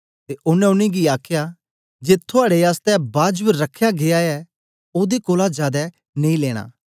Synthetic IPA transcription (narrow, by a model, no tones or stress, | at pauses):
t̪eʔʊnɛ̃ʊnĩɡiaːkʰja | d͡ʒeːt̪ʰːʊaːɽeaːst̪ɛbaːd͡ʒbəɾːɐkʰːjaɡeaɛ | oːd̪ekoːlad͡ʒjaːd̪ɛ | nẽĩleːɽ̃a̰ː